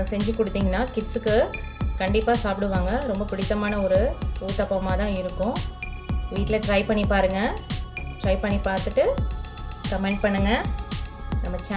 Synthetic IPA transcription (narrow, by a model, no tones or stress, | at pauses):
sɛɲd͡ʒɯkɔɽɯt̪ːiːŋɡɐnːaːkɪʈsɯkːɯkɐɳɖɪpːaːsaːpɪɽɯʋaːŋɡɐɾɔmbɐpɪɽɪt̪ːɐmaːnɐɔɾɯuːt̪ɐpːɐmaːt̪ãːɪɾɯkːʊ̃ | ʋiːʈːɪlɐʈɾɐɪpɐɳːipaːɾɯŋɡɐ | ʈɾɐɪpɐɳːipaːɾt̪ɯʈːɯ | kɐmɛɳʈ̚pɐɳːɯŋɡɐ | nɐmːɐt͡ʃa